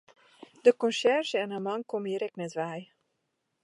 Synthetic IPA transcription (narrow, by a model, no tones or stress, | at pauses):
dəkɔnsɛrʒəɛnamɑŋkomiɾɛknɛtʋɛj